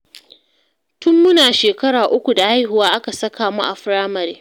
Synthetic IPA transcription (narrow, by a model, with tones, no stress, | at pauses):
tʊ˦mːʊ˦naː˨ʃeː˨kɐ˦ɽaː˨ʔʊ˦kʷu˨da˨ha˦jhʊ˨waː˦ʔa˦ka˨sɐ˦kaː˨mṵ˦ʔa˨ɸɾaː˦mɐ˨ɾeː˦